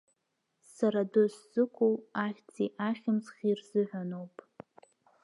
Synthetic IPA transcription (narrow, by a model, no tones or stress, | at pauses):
saɾadɨszɨkʷʰʼuwaχʲt͡sʰiʔaχʲɪmzχʲirzɨʕʷᶣanowpʼ